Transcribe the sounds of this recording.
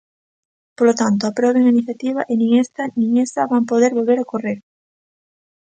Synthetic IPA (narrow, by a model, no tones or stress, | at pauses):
polot̪ant̪oapɾoβeŋainiθjat̪iβaʔɪnĩŋest̪ɐnĩŋest̪ɐβampoð̞eɾβolβeɾokoreɾ